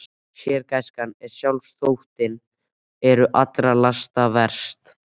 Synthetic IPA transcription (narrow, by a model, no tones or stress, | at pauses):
sjɛːɾkajskanːɛɾ̥sjawlsθowht̪ɪn | ɛɾʏʔat̪ɾalast̪avɛɾ̥st̪